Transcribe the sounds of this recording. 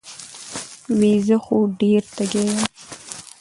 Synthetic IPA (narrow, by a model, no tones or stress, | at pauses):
wezəxoɖeɾt̪aɡeja